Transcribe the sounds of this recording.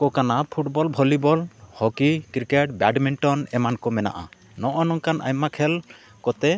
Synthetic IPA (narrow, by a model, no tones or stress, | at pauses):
kɔkanapʰuʈbɔlbʱɔlibɔlhɔkikɾikeʈ̚baɖmiɳʈɔnɛmankɔmɛna̰ʔa̰ | nɔʔɔnɔŋkanʔa̰jmakʰɛl | kɔt̪ɛ